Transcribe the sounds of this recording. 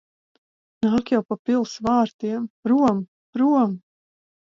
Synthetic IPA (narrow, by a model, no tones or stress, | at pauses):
naːkjawpapilˠsvaːɾt̪iɛmɾuɔm | ɾuɔm